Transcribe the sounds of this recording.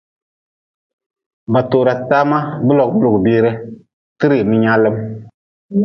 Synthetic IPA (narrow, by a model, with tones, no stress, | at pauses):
ba˨to˨ɾa˨taː˦ma˦bɨ˦lɔ˨k̚bɨ˦lo˨ɡbiː˦ɾɪ˦ | tɨ˦ɾi˨mɪ˦ɲa˦lːɨ˦m